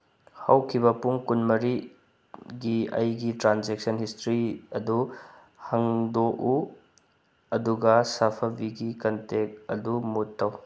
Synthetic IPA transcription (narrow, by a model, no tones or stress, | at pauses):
hɐwkʰibɐpuŋkunmɐɾi | ɡiɐ̰jɡitɾanzek̚sɐnhistɾiɐdu | hɐŋdoʔu | ɐduɡɐsapʰɐbiɡikɐntek̚ɐdumutːɐw